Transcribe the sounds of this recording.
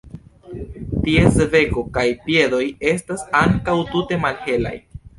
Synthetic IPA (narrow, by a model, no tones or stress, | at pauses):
tie̞seve̞ko̞kajpje̞do̞je̞stasaŋkawtute̞malhe̞la̰j